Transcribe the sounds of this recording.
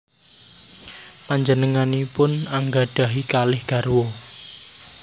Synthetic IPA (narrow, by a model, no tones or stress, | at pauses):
paɲd͡ʒənəŋanipʊnaŋɡaɖ̥a̤ɦikalɪhɡ̥a̤rwo